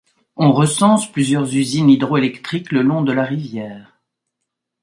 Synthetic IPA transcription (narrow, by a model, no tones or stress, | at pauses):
ɔ̃ʁəsɑ̃splyzjœʁzyzinid̪ʁoelɛkt̪χikləlɔ̃d̪əlaʁivjɛːʁ